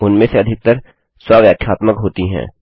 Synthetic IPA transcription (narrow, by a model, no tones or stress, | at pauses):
ʊnmẽseɐd̪ʱɪk̚t̪əɾ | swaʋjaːkʰjaːt̪məkɦoːt̪iɦɛ̰̃ː